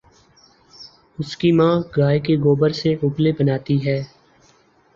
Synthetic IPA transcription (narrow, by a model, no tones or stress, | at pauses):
ʊskimãːɡaːekeɡoːbəɾseʔʊplebənaːt̪iɦɛː